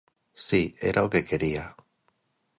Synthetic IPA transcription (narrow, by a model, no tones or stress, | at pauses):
siḛɾʔawkekʰeɾia